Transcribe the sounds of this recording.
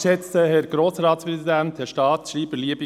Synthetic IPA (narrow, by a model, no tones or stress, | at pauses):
ʃɛt͡st̪əhɛɾɡɾoːsɾɑːt̪spɾɛzidɛnt̪hɛʃtɑːt̪ʃɾiːbəliəbə